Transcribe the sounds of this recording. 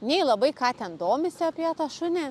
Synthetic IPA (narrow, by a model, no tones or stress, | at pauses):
nʲɛɪlˠɐbɐɪkɑːt̪ʲɛnd̪oːmʲɪsʲɪɐpʲiɛt̪ɐʃʊnʲɛ